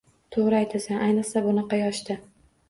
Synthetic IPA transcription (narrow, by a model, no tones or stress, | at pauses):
t̪ʰoʁɾajt̪ʰasanʔajnɨχsabʊnɑqɑjɒʃt̪ɪ